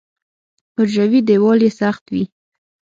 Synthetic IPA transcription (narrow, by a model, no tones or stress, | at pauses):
hʊɾʒawid̪ewɑlesaxt̪wi